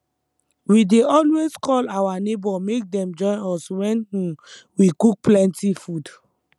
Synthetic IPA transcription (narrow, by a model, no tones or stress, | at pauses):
wideɔlweskʰɔlawanebɔmek̚dɛ̃md͡ʒɔ̃ɪ̃nɔswɛ̃n̩ | wikuk̚plɛ̃ntifud